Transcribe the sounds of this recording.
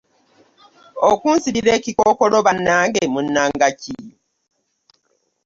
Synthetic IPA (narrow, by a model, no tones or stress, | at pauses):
okunsiɾiɾe̞ːcikokoloβanːaːŋɡemunːaːŋɡaci